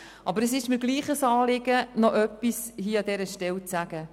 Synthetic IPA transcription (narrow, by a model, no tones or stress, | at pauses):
ʔɑbəɾəsɪʃmɪɡ̥liːχəsɑːlɪɡ̥ənɔʔœpːishiːɑd̪ɛɾəʃtɛlt͡sæɡ̥ə